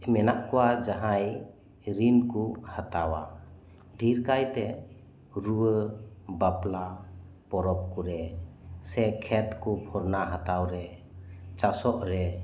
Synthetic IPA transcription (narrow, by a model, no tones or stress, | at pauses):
mɛnaʔkuwad͡ʒaɦaj | ɾinkuhat̪awa | ɖʱiɾkajt̪ɛ | ɾuwəbapla | pɔɾɔp̚kuɾɛ | sɛkʰɛt̪kupʰɔɾnaɦat̪awɾɛ | t͡ʃasɔʔɾɛ